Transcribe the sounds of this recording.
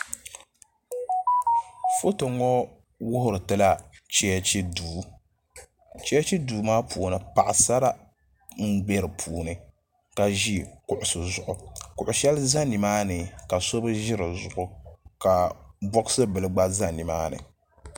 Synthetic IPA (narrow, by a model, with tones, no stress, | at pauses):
fo˦to˨ŋɔ˦ | wʊ˦hʊ˨ɾɨ˨tɨ˦la˦t͡ʃɛ˦ɛ˦t͡ʃi˦duː˨˦ | t͡ʃɛ˦ɛ˦t͡ʃi˦duː˨maː˦puː˨nɨ˨pa˨ʔa˨sa˦ɾa˦ | ŋ̩˦ɡ͡be˦ɾɨ˨pʰuː˨nɨ˨ | ka˨ʒi˦kʊ˨ʔʊ˨sɨ˨zʊ˨ʔʊ˨kʊ˨ʔʊ˨ʃɛ˦lza˦ni˨maː˦nɨ˨ka˨so˦bɨ˦ʒɪ˦ɾɨ˨zʊ˨ʔʊ˨ka˨bɔ˦ksɨ˦bɨ˨lɨ˨ɡ͡ba˦za˦ni˨maː˦nɨ̰˨